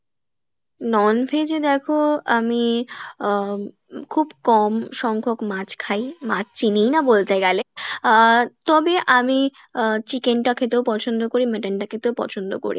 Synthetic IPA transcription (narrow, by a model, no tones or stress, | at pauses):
nɔnpʰed͡ʑed̪ɛkʰoami | kʰubkɔmʃɔŋkʰokmãt͡ɕkʰajmat͡ɕt͡ɕinijnabolt̪eɡɛle | t̪ɔbeʔami | t͡ɕikeɳʈakʰet̪ewpɔt͡ɕʰond̪okoɾimeʈaɳʈakʰet̪ewpɔ̰t͡ɕʰond̪o̰ko̰ɾḭ